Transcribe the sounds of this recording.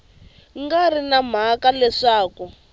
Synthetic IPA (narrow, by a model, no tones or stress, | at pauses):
ŋɡarinam̤akalɛʂaːku